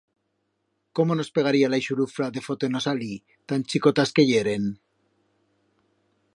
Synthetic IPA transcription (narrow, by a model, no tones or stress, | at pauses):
ko̞mono̞spe̞ɣ̞aɾialajʃuɾufɾaðe̞fo̞t̪oenosali | t̪ant͡ʃikot̪aske̞ʝeɾe̞n